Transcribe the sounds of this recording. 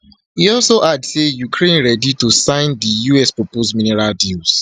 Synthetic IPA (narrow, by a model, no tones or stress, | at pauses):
hiɔlsoʔadsejukʰɹẽnɹɛditusãɪ̃ndijuɛspɹɔposmĩnɛɹaldils